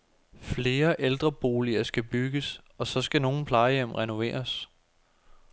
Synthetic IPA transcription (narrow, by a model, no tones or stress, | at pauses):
fle̝ːɐʔeld̥ʁɐb̥o̝ːliɐsɡ̥æb̥yɡ̥əs | ɒ̽sɒ̽sɡ̥æno̝ːn̩pʰlɑ̈ɪjem̰ʁɛno̝ʋḛːɐs